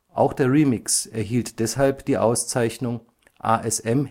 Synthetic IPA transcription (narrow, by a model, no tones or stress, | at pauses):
ʔa̰ʊxd̥eːɐʁiːmɪksɛɐɦiːltd̥ɛshalpd̥iːʔa̰ʊst͡saɪçnʊŋ | ʔa̰ːʔɛsɛm